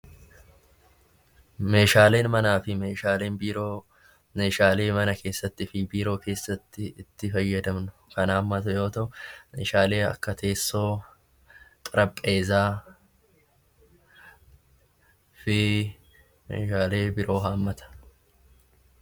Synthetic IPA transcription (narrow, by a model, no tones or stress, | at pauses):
me̞ːʃaːle̞ːnmɐnaːfɪme̞ːʃaːleːnbiːɾoː | me̞ːʃaːle̞ːmɐnɐke̞ːsːɐt̪ːɪɪfɪbiːɾo̞ːke̞ːsːɐt̪ːɪɪt̪ːɪfɐjːɐd̪ɐmnʊ̥kɐnaːmːɐt̪ʊjo̞ːt̪ɐʔʊmeːʃaːle̞ːɐ̰kːɐt̪ʰe̞ːsːo̞ː | k̪ʼɐɾɐpʼːe̞ːzaː | fɪ | mḛːʃaːle̞ːbɪɾʔo̞ːɦaːmːɐt̪ɐ̥